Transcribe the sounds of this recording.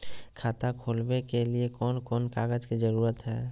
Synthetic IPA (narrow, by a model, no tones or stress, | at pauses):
kʰaːt̪akʰoːlbekeliekɔːnkɔːnkaːɡəd͡ʒkid͡ʒəɾuːɾət̪ɦɛː